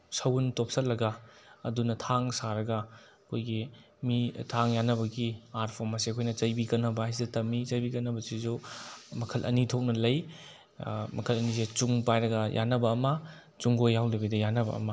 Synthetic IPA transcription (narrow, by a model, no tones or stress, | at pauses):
sɐwuntop̚sɐlːɐɡɐɐ̰dunɐtʰaŋsaɾɐɡɐ | ɐkʰojɡi | mitʰaŋjanːɐβɐɡiaɾpʰoɾmɐseɐkʰojnɐt͡ʃɐjbikɐnːɐbɐajs̬idɐtɐmːit͡ʃɐjbikɐnːɐbɐsizumɐkʰɐlʔɐ̰nitʰok̚nɐlɐj | mɐkʰɐlɐniz̬et͡ʃuŋpajɾɐɡɐjʔa̰nːɐbɐːmɐ | t͡ʃuŋɡojːawlebɐdɐjanːɐbɐ̰ɐ̰mɐ